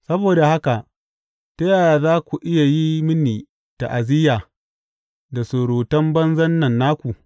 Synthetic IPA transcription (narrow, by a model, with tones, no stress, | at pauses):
sɐ˦boː˨da˨ha˦ka˨ʔ | tɐ˦jaː˦˨jaː˨zaː˦kʷu˨ʔɪ˦ja˨ji˦mɪ˦niː˨ | ta˨ʔa˨zɪ˦jaː˨ | da˨soː˨ɾoː˨tɐ˦mbɐ˦nzɐ˦nːɐ˨nːaː˦kʷu˨